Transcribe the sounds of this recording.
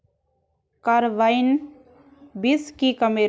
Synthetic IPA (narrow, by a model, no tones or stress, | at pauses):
kaɾʋain | biskikəme